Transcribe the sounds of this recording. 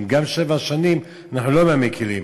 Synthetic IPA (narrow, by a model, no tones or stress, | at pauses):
mɡamʃevaʃanim | anaχnulomeamekʰilim